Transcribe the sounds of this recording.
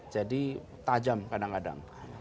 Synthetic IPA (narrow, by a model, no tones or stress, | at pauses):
d͡ʒadi | t̪ad͡ʒamkadaŋkada̰ŋ